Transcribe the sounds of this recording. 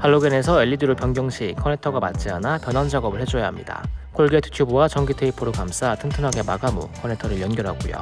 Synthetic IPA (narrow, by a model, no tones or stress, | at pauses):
haɭːoɡene̞sʰʌeʎːidɯɾopjʌŋɡjʌŋɕʰikʰʌne̞tʰʌɡama̰t̚t͡ɕ͈ianapjʌnɦand͡ʑaɡʌbɯɭhed͡ʑojaɦamɲḭda̰kʰoɭɡetʰɯ̥tʰjubuwat͡ɕʌŋɡitʰeipʰːoɾokams͈atʰɯŋtʰɯnɦaɡe̞maɡamṵkʰʌne̞tʰʌɾɯɭjʌnɡjʌɾɦaɡujo̰